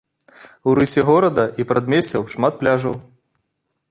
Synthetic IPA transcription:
wɾɨsʲɛɣɔɾɐd̪ɐʔipɾɐd̪mʲesʲɛwʂmat̪̚plʲaʐɐ̰w

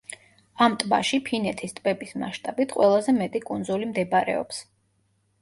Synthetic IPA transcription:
amt̪ʼba̰ʃipʰinɛt̪ʰist̪ʼbɛbisma̰ʃt̪ʼabit̪ʰqʼwɛlˠazɛmɛt̪ʼikʼunzulimd̪ɛbaɾɛ̰ɔ̰ps

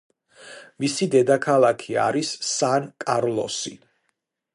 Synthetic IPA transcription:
misid̪ɛd̪akʰalˠakʰia̰ɾisːankʼaɾlˠɔ̰si

